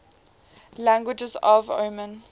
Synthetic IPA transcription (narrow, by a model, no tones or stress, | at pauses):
læ̃ŋɡwɪd͡ʒəzɔvo̰mə̃n